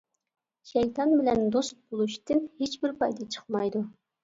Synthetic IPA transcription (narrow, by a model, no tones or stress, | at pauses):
ʃɛjt̪ʰɑnbɪlɛnd̪ost̪̚bolˠuʃt̪ɨnhet͡ʃbɪɾpɑjd̪ɑt͡ʃʰə̥χmɑjd̪u